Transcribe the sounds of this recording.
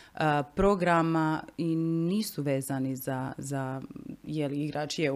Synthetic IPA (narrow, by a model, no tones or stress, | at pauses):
əpɾoɡɾamainiːsuʋeːzanizazajeliiɡɾaːt͡ʃije